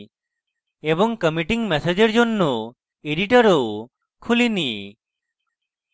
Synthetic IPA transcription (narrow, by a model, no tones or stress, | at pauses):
ɛbɔŋkəmiʈiŋmɛsed͡ʒeɾd͡ʒonːɔ | eɖiʈɔɾow | kʰulinḭ